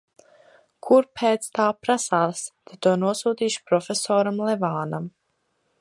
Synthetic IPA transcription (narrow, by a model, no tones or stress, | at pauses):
kʰuɾpʰɛːt̪st̪aːpɾasaːst̪et̪uɔnuɔsuːt̪iːʃi̥pɾɔfʲesɔːɾamlɛvaːnam